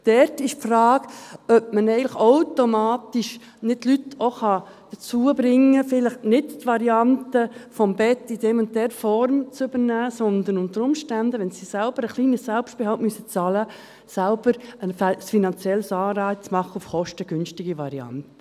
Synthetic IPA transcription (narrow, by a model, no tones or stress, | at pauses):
d̥ɛɾtɪʃfrɑːɡ̥œp̚mənɛɪələχaʊtomɑːt̪iʃ | nɪt̚tːlytoχɑ | d̥ət͡suəbɾɪŋːəfɪləχnɪdtʋɑɾiɑntəfɔmbɛtːid̥ɛmʊnt̚dɛɾfɔɾmt͡sʏb̥ənæːsɔnd̪ənʊnt̪əɾʊmʃtændəʋɛnsisælb̥əɾəχliːnəsælpst̚b̥ehɑltmysət͡sɑlə | sælb̥əɾəfsfinɑnt͡sjɛlsɑːɾɑɪt͡smɑχːəufχɔʃtəɡ̥ʏnʃtɪɡiʋɑɾiɑ̰nt̪ə